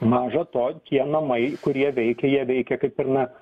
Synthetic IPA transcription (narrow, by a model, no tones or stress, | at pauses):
mɑːʒɐt̪oːt̪ʲiɛnɐmɐɪkʊɾʲiɛʋʲɛɪkʲɛjiɛʋʲɛɪkʲɛkɐɪpɪɾnɐ